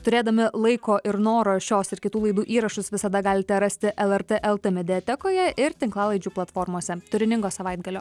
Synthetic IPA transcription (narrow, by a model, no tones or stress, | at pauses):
t̪ʊɾʲeːd̪ɐmʲɪlˠɐɪkoːʔɪɾnoːɾoːʃʲoːsɪɾkʲɪt̪uːlˠɐɪd̪uːʔiːɾɐʃʊsʋʲɪsɐd̪ɐɡɑːlʲɪt̪ʲɛɾɐsʲt̪ʲɪʔɛlˠɛɾt̪eʔɛlˠt̪emʲɛd̪ʲɛɛt̪ʲɛkoːjɛɪɾt̪ʲɪŋklˠɑːlˠɐɪd͡ʒʲuːplˠɐt̪foːɾmoːsʲɛt̪ʊɾʲɪnʲɪŋɡoːsɐʋɐɪd̪ɡɐlʲoː